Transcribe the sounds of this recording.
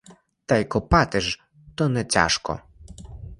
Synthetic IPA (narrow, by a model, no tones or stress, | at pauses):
t̪ajkɔpɑt̪ɪʒ | t̪ɔnɛt͡sʲa̰ʃkɔ̰